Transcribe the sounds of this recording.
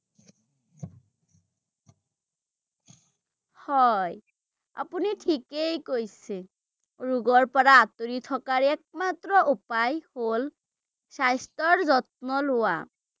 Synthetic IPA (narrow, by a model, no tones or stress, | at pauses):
hɔj | a̰punitʰikejkojse | ɹuɡɔɹpɔɹaːt̪oɹitʰɔkaɹɛk̚mat̪ɹɔʔupajhol | sajstɔɹzɔt̚nɔlʊa̰